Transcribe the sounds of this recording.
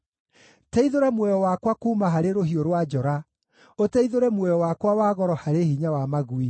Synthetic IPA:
tɛiðoɾɛmwɛjɔwakwakuːmaɦaɾeɾoɦioɾwad͡ʒɔɾa | otɛiðoɾɛmwɛjɔwakwawaːɣɔɾɔhaɾehiɲawamaɣui

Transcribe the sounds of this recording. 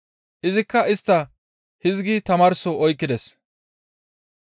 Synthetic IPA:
ʔɪzɪkːɐɪst̪ːɐ | hɪzɡit̪ɐmaːɾsɔʔɔjkːɪd̪ɛs

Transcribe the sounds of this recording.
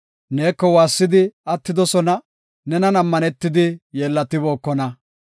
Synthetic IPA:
ne̞ːkːɔwaːsːɪd̪ɪɐt̪ːɪd̪ɔsɔnɐ | nɛnɐnɐmːɐnɛt̪ːɪd̪ɪjeːlːɐt̪ːɪboːkːɔnɐ

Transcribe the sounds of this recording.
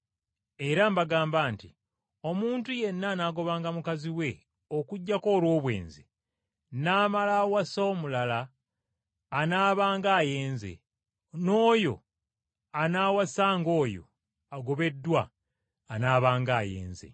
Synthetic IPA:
e̞ɾambaɡaːmbaːnti | o̞muːntuje̞nːaːnaːɡo̞βaːŋɡamukaziwe̞ | okuɟːako̞ːlwo̞ːβwe̞̰ːnzi | naːmalawasoːmulala | naːβaːŋɡaːje̞ːnze̞̰ | no̞ːjo̞̰ | anaːwasaːŋɡo̞ːjo̞̰ | aɡo̞βe̞dːwaː | naːβaːŋɡaːjḛːnze̞̰

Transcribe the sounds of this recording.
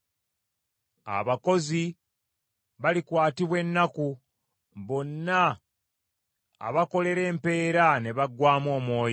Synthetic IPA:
a̰βako̞zi | βalikwaːtiβwe̞nːaku | βo̞nːa | βako̞le̞ɾe̞ːmpe̞ːɾane̞βaɡwaːmo̞ːmwo̞ːj

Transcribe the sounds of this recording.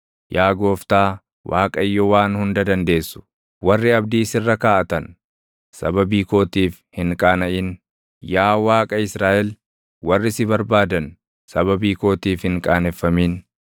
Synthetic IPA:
jʔaːɡo̞ːft̪aː | waːkʼɐɪjːɔwaːnhʊnd̪ɐd̪ɐnd̪e̞ːsːʊ̥ | wɐrːɪɐbd̪iːsɪrːɐkaːʔɐt̪ɐn | sɐ̰bɐbiːko̞ːt̪iːfhɪŋkʼaːnɐʔɪn | jaːwaːkʼɐɪsɾaːʔɛl | wɐrːɪsɪbɐɾbaːd̪ɐn | sɐbɐbiːko̞ːt̪iːfhɪŋkʼaːnɛfːɐmiːn

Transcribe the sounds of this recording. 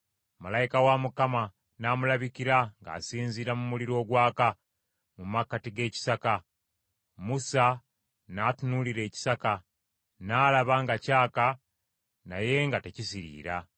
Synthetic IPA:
malaikawamukama | namulaβikiɾaŋɡa̰ːsiːnziɾamumuliɾo̞ːɡwaːka | mumakːatiɡe̞ːci̥saka | musa | natunuliɾe̞ːci̥saka | naːlaβaŋɡacaːka | na̰je̞ŋɡate̞cisiɾḭːɾa

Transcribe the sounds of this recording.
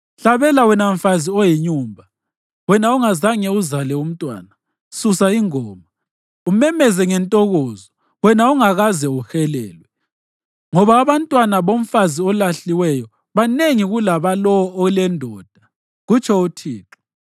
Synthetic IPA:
ɬaβɛlawɛnaɱ̩faziɔjiɲuːmbʱa | wɛnauŋazaŋɛuzalɛum̩tʼwa̰ːna | susaiŋɔːma | umɛmɛzɛŋɛntʼɔɣɔːzɔ | wɛnauŋaɣazɛuxɛlɛːlwɛ | ŋɔβaːβantʼwanaβoɱ̩faziɔlaɬiwɛjɔ | βaneŋiɣulaβalɔɔːlɛndʱɔːd̥ʱa | ɣut͡ʃʰɔutʰiːǁʰu̥

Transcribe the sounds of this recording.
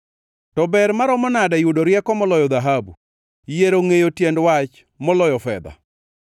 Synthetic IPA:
tɔbɛɾmaɾɔmɔnadajudoɾjɛkɔmɔlɔjɔd̪aɦabṵ | jeɾoŋejotjendwat͡ʃ | mɔlɔjɔfɛ̰d̪a̰

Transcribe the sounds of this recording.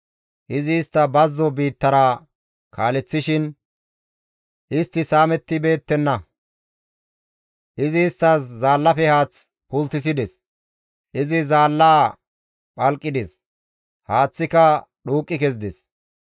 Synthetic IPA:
ʔɪzɪːst̪ːɐbɐzːɔbiːt̪ːɐɾɐ | kʰaːlɛt͡sːɪʃɪn | ʔɪst̪ːɪsaːmɛt̪ːɪbe̞ːt̪ːɛnːɐ | ʔɪzɪːst̪ːɐszaːlːɐfɛhaːt͡s | pʊlt̪ːɪs̬ɪd̪ɛs | ʔɪzɪzaːlːaː | pʼɐlkʼːɪd̪ɛs | haːt͡sːɪkɐ | ɗuːkʼːɪkɛzd̪ɛs

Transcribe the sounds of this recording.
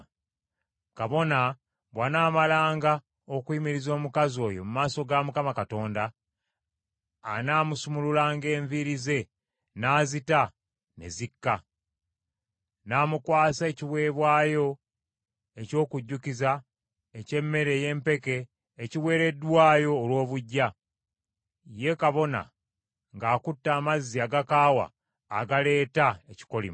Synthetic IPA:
kaβo̞na | βwanaːmalaːŋɡa | okwiːmiɾizo̞ːmukazo̞ːjo̞mumaːso̞ɡamukamakato̞ːnda | naːmusumululaːŋɡe̞ːɱviɾize̞ | naːzita | ne̞̰zikːa | naːmukwaːse̞ːciβwe̞ːβwaːjo̞ | e̞co̞ːkuɟːuciza | ece̞mːe̞ɾe̞ːje̞ːmpe̞ke̞ː | ciwe̞ːɾe̞dːwaːjo̞ːlwo̞ːβuɟːa | je̞kaβo̞na̰ | ŋɡaːkutːaːmazːiaɡakaːwa̰ː | ɡale̞ːtaeci̥ko̞lḭm

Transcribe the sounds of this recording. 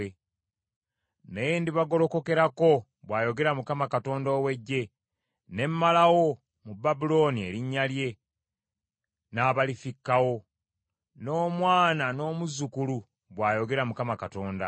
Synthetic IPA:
e | nejendiβaɡo̞lo̞ko̞ke̞ɾako | βwaːjo̞ɡe̞ɾamukamakato̞ːndoːwe̞ɟːe̞ | ne̞mmalawo̞ | mubːabulo̞ːnie̞ɾiɲːalje̞ | naːβalifikːawo̞ | no̞ːmwaːnano̞ːmuzukulu | βwaːjo̞ɡe̞ɾamukamakato̞ːnda̰

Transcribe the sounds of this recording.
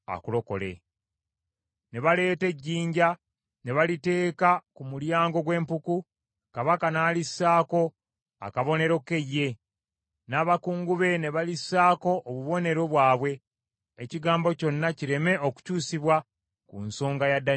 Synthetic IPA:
a̰kulo̞ko̞̰le̞̰ | ne̞βale̞ːte̞ɟːiːɲɟa | ne̞βalite̞ːkakumuljaːŋɡo̞ɡwe̞ːmpuku | kaβakanaːlisːaːko̞ | a̰kaβo̞ne̞ɾo̞ke̞jːe̞ | naːβakuːŋɡuβe̞ne̞βalisaːko̞ʔːβuβo̞ne̞ɾo̞βwaːβwe̞ː | ciɡaːmbo̞co̞nːaciɾe̞me̞oku̥cuːsiβwa | kṵnso̞ːŋɡajadːa

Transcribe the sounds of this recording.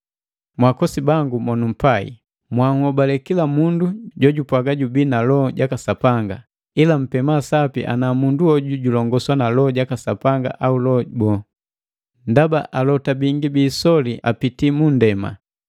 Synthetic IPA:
mwakɔsibaŋɡumɔnum̩paḭ | mwahuɔbalɛkilamunduɟɔɟupwaɡaɟubiːnalɔɟakasapaŋɡa̰ | ilam̩pɛmasapḭʔa̰namunduɔɟuɟulɔŋɡɔswanalɔɟakasapaŋɡa̰ʔaulɔbɔ | ndabaʔalɔtabiŋɡibiːsɔliʔa̰pitimundɛma̰

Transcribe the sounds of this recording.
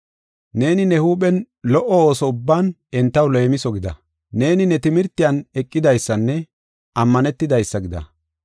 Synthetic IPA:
ne̞ːnɪnɛhuːɓɛn | lɔʔɔo̞ːsɔʊbːaːn | ɛnt̪ːɐwlejmɪsɔɡɪd̪ɐ̰ | ne̞ːnɪnɛt̪ɪmɪɾt̪ːɪjɐnɛkʼːɪd̪ɐjsːɐnːɛ | ʔɐmːɐnɛt̪ːɪd̪ɐjsːɐɡɪd̪ɐ̰

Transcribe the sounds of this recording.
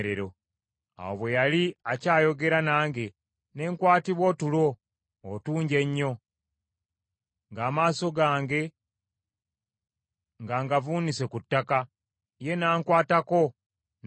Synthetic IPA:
ɾeɾo̞ | a̰woβwe̞jaliacaːjo̞ɡe̞ɾanaːŋɡe̞ | ne̞ːŋkwaːtiβwo̞tulo̞ː | tuːɲɟe̞ɲːo̞ | ŋɡaːmaːso̞ɡaːŋɡe̞ | ŋɡaːŋɡavuːnise̞kutːaka | je̞naːŋkwaːtako̞ | n

